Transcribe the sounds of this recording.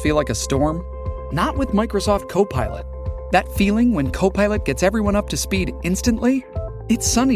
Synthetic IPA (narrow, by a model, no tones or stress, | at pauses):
filaɪkɨstɔɹm | nəʔ̚wɨðmaɪkɹosɔft̚kʰoʊpʰaɪlˠə̰t̪̚ðɨtfilˠɪ̃ŋwə̃nkʰoʊpʰaɪlˠɨt̚ɡ̥ɛtsɛvɹiwʌ̃ɾ̃ʌp̚tʰɨspiɾɪ̃nstɨ̃nʔli | ɨtsʌni